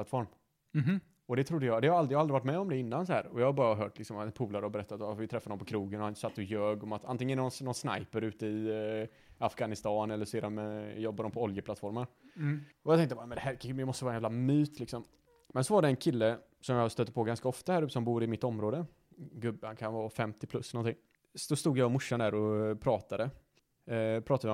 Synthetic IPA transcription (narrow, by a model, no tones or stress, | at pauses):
lat̪fɔɾm | ɔd̪ɛt̪ʰɾʊd̪ːəjɑːd̪ɛhaɾald̪ɾɪjaaldɾɪvaʈmɛːɔmd̪ɛɪnːansɔhæ̰ːɾɔjɑːhabɑːɾaɦœːʈlɪksɔmapʰuːlaɾəɔbɛɾɛt̪ːat̪ɔfvɪt̪ʰɾɛfːad̪ɔmpɔkʰɾuːɡənansat̪ʰːɔjøːɡɔmat̪ʰant̪ɪŋːənnɔnnɔnsna̰jpəɾʉ̟ːt̪əɪ | afɡanɪst̪ɑːnɛlːəʂɔeːdɔmjɔbːad̪ɔmpʰɔɔljəplat̪fɔɾmən | ɔjɑt̪ɛŋkt̪əbamɛnd̪ɛhɦæːɾkjɑmɔst̪əvɑːaɛjævlamyːt̪ʰlɪksɔm | mɛnsɔvaɖɛɛnkʰɪlːə | sɔmjɑst̪øːt̪ːə̥pʰoːɡanskaɔft̪ahæɾʉːt̪ːəsɔmbuːɾɪmɪt̪ːɔmɾoːd̪ə | ɡɵbːhankʰanvɑːfɛmt̪ɪpʰlɵsːɛlnɔnt̪ʰɪŋː | sdɔst̪uːɡjaɔmʊʂːand̪æːɾɔpʰɾɑːt̪ad̪ə | pʰɾɑːt̪ad̪ɪ